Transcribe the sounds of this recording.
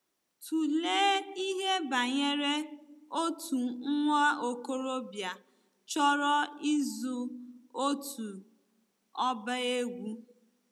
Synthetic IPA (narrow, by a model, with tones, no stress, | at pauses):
tu˨leː˦i˦ɦe˦ba˨ɲe˦ɾe˦o˦tʰu˨ŋ̩˦ŋʷa˦o˨ko˦ɾo˦bja˨ | t͡ʃɔ˦ɾɔ˦i˦zu˦o˦tu˨ | ɔ˦ba˦e˦ɡʷu˦